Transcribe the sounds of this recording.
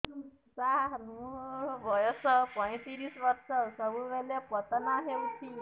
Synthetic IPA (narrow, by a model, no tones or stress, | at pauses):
saɦɦnubʱəjɔsəpə̃j̃t̪iɾiːsʋəɾsəsəʋuʋeljapət̪naɦet̪ʰi